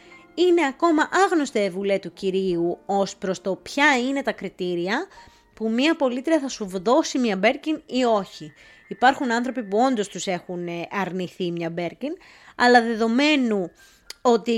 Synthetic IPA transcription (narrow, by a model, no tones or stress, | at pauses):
ine̞ɐko̞mɐʔɐɣno̞st̪evule̞t̪uciɾiuo̞spɾo̞st̪o̞pçɐine̞t̪ɐkɾit̪iɾiɐ | pumɲɐpo̞lit̪ɾiɐθɐsuvðo̞simɲɐbe̞ɾcinio̞çi | ipɐɾxunɐnθɾo̞pipuo̞nd̪o̞st̪use̞xunɐɾniθimɲɐbe̞ɾcin | ɐlɐðe̞ðo̞me̞nu | o̞t̪i